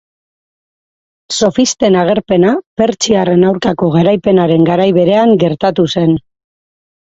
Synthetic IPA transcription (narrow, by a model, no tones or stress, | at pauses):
so̞fist̪e̞naɣ̞e̞ɾpe̞nape̞ɾt͡ʃiare̞nawɾkako̞ɣaɾajpe̞naɾe̞ŋɡaɾajβe̞ɾe̞aŋɡe̞ɾt̪at̪use̞n